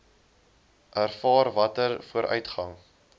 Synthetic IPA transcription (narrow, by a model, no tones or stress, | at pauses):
ʔærfɑːrvɐtərfuəɾʔœ̰ɥtχɐŋ